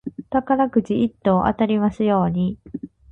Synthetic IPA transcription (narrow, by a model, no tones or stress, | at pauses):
t̪akaɾakɯ̟t͡ɕiʔit̪ːo̞ːʔa̰t̪aɾʲimasɨjo̞ːɲ̟i